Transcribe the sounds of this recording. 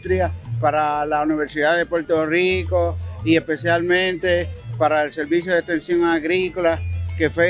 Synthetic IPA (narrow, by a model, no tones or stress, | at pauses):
t̪ɾiapaɾalauniβe̞ɾsiðaðepwe̞ɾt̪o̞riko̞ie̞spe̞sjalmẽnt̪e̞paɾaelseɾβis̬joðeht̪ẽ̞nsjo̞ŋaɣɾikolake̞fwe